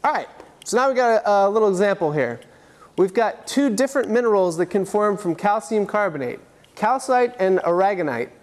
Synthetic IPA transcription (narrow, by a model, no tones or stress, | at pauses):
ɑɹaɪt̚soʊnaʊwiɡɑɾɨʔlɪɾl̩ˠəɡzæ̃mpl̩ˠɦiɹ | wivɡɑtʰʉdɪfɹɨ̃nmɪ̃nə˞l̩ˠzðɨt̚kʰɨ̃nfɔɹɱfɹʌ̃mkʰælˠsiɨ̃mkʰɑɹbɨneɪt̚ | kʰaʊsaɪɾɨ̃nə˞æɡɨna̰ɪt̚